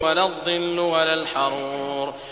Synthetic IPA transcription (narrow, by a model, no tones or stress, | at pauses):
alaðˤːɨlːʊwalalħɑɾˤuːɾ